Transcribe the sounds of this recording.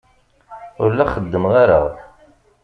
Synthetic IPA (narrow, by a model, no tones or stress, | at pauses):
ʊɾlæχəd̪ːəmʁaɾə̰ʁ